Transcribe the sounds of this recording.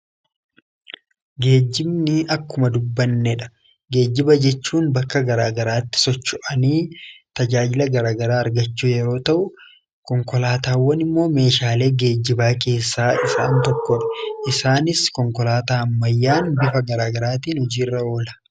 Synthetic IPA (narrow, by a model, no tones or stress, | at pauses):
ɡe̞ːd͡ʒːɪbnɪɐkːʊmɐd̪ʊbːɐnːɛᶑɐ̥ | ɡe̞ːd͡ʒːɪbɐd͡ʒɛt͡ʃːuːnbɐkːɐɡɐɾaːɡɐɾaːt̪ːɪ̥sɔt͡ʃːʊʔɐniːt̪ɐd͡ʒaːd͡ʒɪlɐɡɐɾaːɡɐɾaːɐɾɡɐt͡ʃːuːjɛɾo̞ːt̪ɐʔʊ | kɔŋkɔlaːt̪aːwːɐnɪmːo̞ːme̞ːʃaːle̞ːɡe̞ːd͡ʒːɪbaːke̞ːsːaːɪsa̰ːnt̪ɔkːɔᶑɐ̥ʔɪsaːnɪskɔŋkɔlaːt̪aːɐmːɐjːaːnbɪfɐɡɐɾaːɡɐɾaːt̪iːnhɔd͡ʒiːrːɐo̞ːlɐ̥